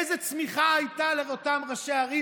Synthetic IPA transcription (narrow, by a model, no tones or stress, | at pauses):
jzet͡smiχaajt̪aleʁot̪amʁaʃeaʁi